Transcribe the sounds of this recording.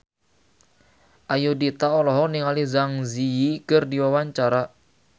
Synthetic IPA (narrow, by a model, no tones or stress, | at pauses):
ʔajudit̪aɔlɔɦɔniŋalizaŋzijikərdiwawaɲt͡ʃaɾa